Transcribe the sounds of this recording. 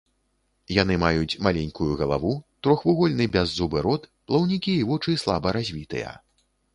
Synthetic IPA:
jan̪ɨmajut͡sʲmalʲɛnʲkujuɣɐlˠa̰vut̪ɾɔxvuɣɔlʲnɨbʲazːubɨɾɔt̪plˠɐwnʲikʲiːvɔt͡ʂɨslˠa̰bɐɾazʲvʲit̪ɨ̰jɐ̰

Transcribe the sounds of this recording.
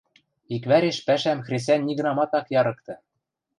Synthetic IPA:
ikβæɾeʃpæʃæmxrʲes̬ʲænʲːiɣɤ̆nɑmɑt̪ɑkjɑɾɤ̆k̚t̪ɤ̆

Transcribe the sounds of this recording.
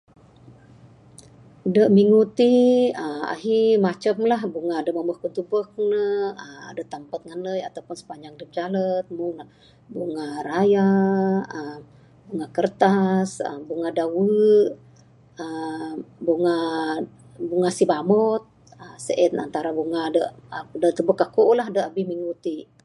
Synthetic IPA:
dəʔmiŋut̪iəa̰ɦimat͡ʃəmlahbuŋadəməmbəhkunt̪upək̚nəəma̰dat̪ampət̪̚ŋanləjat̪awpʊnsə̥paɲd͡ʒaŋ̚dəp̚d͡ʒalət̪̚muŋna | buŋaraja | əm | buŋakərt̪asə̰buŋadawə | ə | buŋa | buŋasibamɔt̪̚ | əsə̰ʔɛna̰nt̪aɾabuŋadəʔdət̪ubəkːakoʔlaɦdəʔabɪhmiŋɡut̪iʔ

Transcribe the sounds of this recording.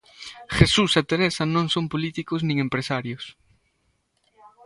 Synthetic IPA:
xesusat̪eɾesanõŋsõmpolit̪ikoznĩŋẽmpɾesaɾjos

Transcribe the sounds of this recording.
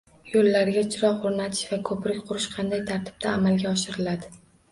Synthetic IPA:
jolːaɾɡʲat͡ʃʰɪɾɒχoɾnat̪ʰɪ̥ʃvakʰɵpɾɪkʲqʰʊɾɪʃqʰɑnd̪ajt̪ʰaɾt̪ʰɪ̥b̥̚d̪ʰaːmalɡʲaɒʃɪɾɪlad̪ɪ

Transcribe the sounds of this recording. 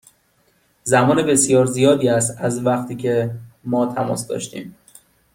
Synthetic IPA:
zæmɒːnebe̞sjɒːɾzijɒːd̪iːæst̪æzvæxt̪ʰiːcʰe̞mɒːt̪ʰæmɒ̰ːsd̪ɒ̰ʃt̪ḭːm

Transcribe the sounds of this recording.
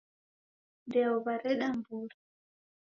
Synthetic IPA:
dɛwɔbaɾɛɗambuːɾi

